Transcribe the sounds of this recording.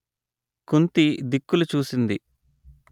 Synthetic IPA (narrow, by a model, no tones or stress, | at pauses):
kunt̪id̪ikːulut͡ʃuːsind̪i